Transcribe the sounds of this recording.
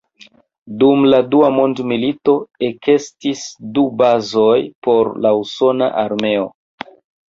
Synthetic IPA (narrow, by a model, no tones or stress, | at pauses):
dumladuamo̞ndmilito̞ekʰe̞stisdubazo̞jpo̞ɾlauso̞na̰ʔaɾme̞o̰